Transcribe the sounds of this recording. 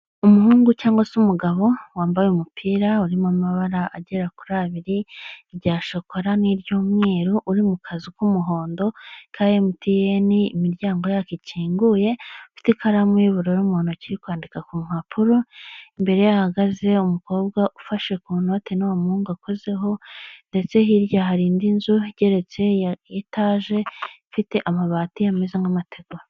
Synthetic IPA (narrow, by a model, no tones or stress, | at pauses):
umuhuːŋɡucaːŋɡwasumuɡaβo̞waːmbajemupʰiːɾauɾimamaβaɾaʔaɟe̞ɾakuɾaβiɾiɾɟaːʃokʰoɾaniɾjoːmŋe̞ːɾoʔuɾimukʰazikumuɦo̞ːndo̞kʰaːjemutijeniːmiɾɟaːŋɡo̞jakiciːŋɡuːje̞fi̥tikaɾamwiβuɾoɾumuhoːnociɾikwaːndikakumm̥apʰuɾoimbe̞ɾe̞jahaɡaze̞umuko̞ːb̚ɡaʔufaʃe̞kuno̞te̞nowamuːŋɡako̞ze̞ɦo̞nde̞t͡se̞ɦiɾjaɦaɾiːndinzuɟe̞ɾe̞t͡se̞jitaːʒe̞fite̞ʔamaβaːtijamezeŋɡamatʰe̞ɡoɾ